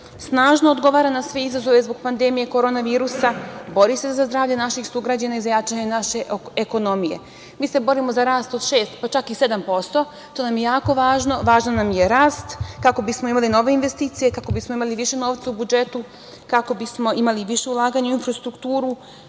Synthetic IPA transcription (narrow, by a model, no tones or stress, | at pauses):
snaːʒnood̪ɡo̞ʋaːɾanasʋe̞izazo̞ʋezbo̞ɡ̚pand̪e̞mije̞koɾo̞naʋiːɾusabo̞ɾise̞zazd̪ɾaːʋʎe̞naʃixsuɡɾad͡ʑanaizajaːt͡ʃaɲenaʃe̞eko̞no̞mije̞̰ | miːse̞bo̞ɾimo̞zaɾaːst̪o̞d̪ʃe̞ːst̪pat͡ʃakise̞d̪ampo̞st̪o̞ | t̪o̞namje̞jaːko̞ʋaːʒno̞ʋaːʒnanamjeɾaːst̪kako̞bismo̞imalino̞ʋe̞inʋe̞st̪iːt̪sije̞kako̞bismo̞imaliʋiʃe̞noːʋt̪saubud͡ʒe̞t̪u | kako̞bismo̞ʔimaliʋiʃe̞ulˠaːɡaɲauinfɾast̪ɾukt̪uːɾu